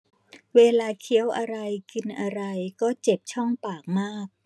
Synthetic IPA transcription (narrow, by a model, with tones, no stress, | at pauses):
weː˧laː˧kʰi˦əwʔa˧ɾa˧jki˧nʔa˧ɾa˧jkɔː˥˩t͡ɕe˨˩p̚t͡ɕʰɔ˥˩ŋpaː˨˩k̚maː˥˩k̚